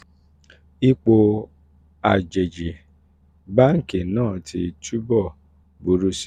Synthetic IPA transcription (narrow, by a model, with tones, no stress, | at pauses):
i˦k͡po˧ | a˨d͡ʒe˨d͡ʒi˨ | ba˦ŋ̩˨ke˨nãː˦˨ti˧tu˦bɔ˦˨ | bu˨˦ɾu˦s